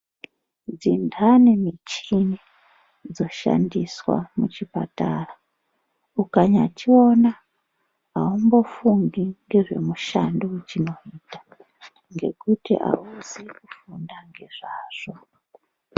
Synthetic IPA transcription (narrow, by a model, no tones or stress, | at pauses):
d͡zindanemit͡ʃini | d͡zo̞ʃa̰ndiswa̰mut͡ʃipatara | ukaɲatʰio̞na | aumbo̞fundiŋɡe̞ʐe̞̰muʃandot͡ʃino̞iːtḁ | ŋɡe̞̰kutḭʔa̰uzikufundaŋɡe̞ʐ̥aːʐ̥o̞